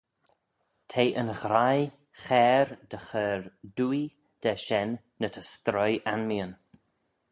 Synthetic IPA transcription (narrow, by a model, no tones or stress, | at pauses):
t̪ʰejʔənɣɾaj | xɛːɾd̥əxəɹduj | d̥ɛʃɛnː | ətʰəst̪ɾɔjʔanmiən